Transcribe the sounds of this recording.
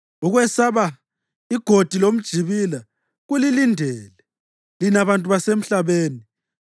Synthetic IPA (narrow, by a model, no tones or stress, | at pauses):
uɣwɛsaβa | iɡ̥ʱod̥ʱilom̩d̥ʒ̥ʱiβila | ɣulilindʱɛːlɛ | linaβantʼuβasem̩ɬaβeːni